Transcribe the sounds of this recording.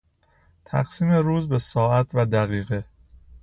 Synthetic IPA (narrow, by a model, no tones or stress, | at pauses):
t̪ʰæ̰ɢsiːme̞ɾuːzbe̞sɒːʔæt̪ʰvæd̪æɣiːɣe̞